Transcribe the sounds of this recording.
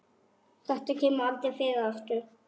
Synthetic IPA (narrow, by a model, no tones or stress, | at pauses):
θɛht̪acʰɛːmʏalt̪ɪfɪːɣaast̪ʏɾ